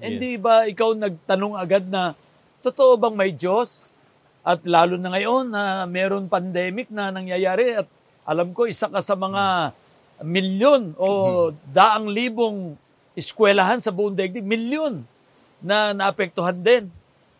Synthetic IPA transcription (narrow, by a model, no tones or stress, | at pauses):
hɪd̪ibaʔɪkawnɐɡ̚t̪ɐno̞ŋɐɡad̪̚nɐ | t̪ot̪oʔobɐŋmɐjd͡ʒo̞s | ʔɐt̪̚laːlʊnɐŋɐjo̞nːɐmɛːɾo̞npɐnd̪ɛːmɪk̚nɐnɐŋjajaːɾɪɐt̪̚ | ʔɐ̰lamko̞ʔɪsakɐsɐmɐŋa | mɪljo̞nʔo̞d̪aːʔɐŋliːbo̞ŋ | ʔɪskwɛlaɦansɐbʊʔʊŋd̪ɛɡ̚d̪ɪmɪljonː | ɐnɐʔɐpɛk̚t̪oɦand̪ɛn